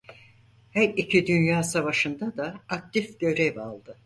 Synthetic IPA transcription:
hæɾicʰid̪ynjaːsavaʃɯnd̪ad̪aːk̚t̪ʰifɟø̞ɾɛvalˠd̪ɯ

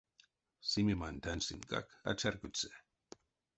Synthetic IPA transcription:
simimant̪ansɪŋka̰ka̰t͡ʃaɾkʊt͡se̥

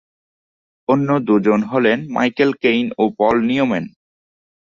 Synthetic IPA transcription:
onːod̪ud͡ʑonɦɔlenma̰jkelkejnopɔlniomen

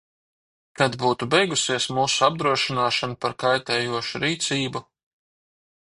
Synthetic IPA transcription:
t̪ad̪buːt̪ubɛjɡusiɛsmuːsuab̚d̪ɾuɔʃinaːʃanupaɾkajt̪ɛːjuɔʃuɾiːt̪siːbu

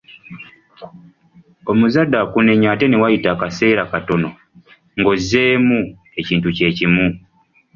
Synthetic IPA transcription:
o̞muzadːakune̞ɲaːte̞newajitaːkase̞ːɾakato̞no̞ | ŋɡo̞zeːmu | e̞ciːntuce̞ːcimu

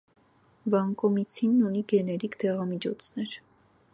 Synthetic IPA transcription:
vɑŋkɔmit͡sʰinːuniɡɛnɛɾikd̪ɛʁɑmit͡ʃʰɔt͡sʰnɛɾ

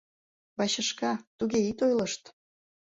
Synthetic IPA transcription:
βɑɕə̆ʃkɑt̪uɣeit̪ojləʃt̪

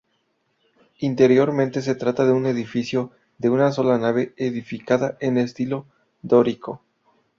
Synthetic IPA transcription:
int̪e̞ɾjo̞ɾmẽnt̪e̞s̬e̞t̪ɾat̪aðeune̞ðifisjo̞ | ðe̞unaso̞lanaβe̞eðifikaðaʔenest̪ilo̞ | d̪o̞ɾiko

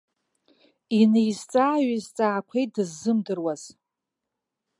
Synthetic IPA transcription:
inejzt͡sʼaːɥizt͡sʼaːkʷʰejt̚dɨzːɨmdɨrwaz̥

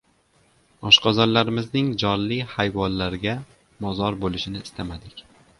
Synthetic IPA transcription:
ɒʃqɒzɒɾlaɾɪmɪznɪŋd͡ʒɒnːihajvɒnlaɾɡʲa | mɒzɒɾbolɪʃɪnɪːst̪ʰamad̪ɪkʲ

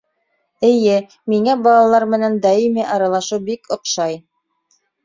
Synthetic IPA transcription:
ɘ̆jɘ | miŋæbɑlˠɑlˠɑɾmɘ̆nænd̪ɑimiʔɑɾɑlˠɑʃuwbikŏqʃɑj

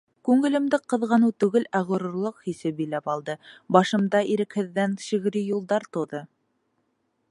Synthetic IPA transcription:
kʉŋɘ̆lɘ̆md̪ɘqɤ̆ðʁɑnɤt̪ʉɡɘlæʁŏɾŭɾlˠoqhisɘp̚bilæpɑlˠd̪ɤbɑʃɤ̆md̪ɑʔiɾɘ̆khɘ̆ðːænʃĭɣɘ̆ɾijulˠd̪ɑɾt̪ŏðɤ

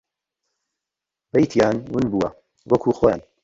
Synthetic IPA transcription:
bɐjt̪ʰijaːnwʊnbuwɐ | wʔɐkʰuːxoːja̰ːn

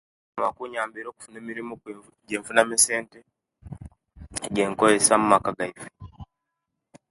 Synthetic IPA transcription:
amakuɲaːmbiɾoku̥funemiɾimok | ɟeɱfunamisente | ɟeŋkoesamumakaɡaifi̥

